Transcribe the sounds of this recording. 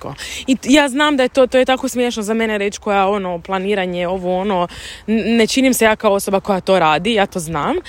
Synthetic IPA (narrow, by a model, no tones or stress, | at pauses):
koijaːznaːmd̪aje̞t̪ot̪ojet̪akosmjeːʃnozame̞neɾe̞t͡ʃko̞jao̞noplˠaniːɾaɲeo̞ʋoo̞no | ne̞t͡ʃinimse̞jaːkaoo̞so̞bako̞jat̪o̞ːɾaːd̪ijaːt̪o̞ːznaːm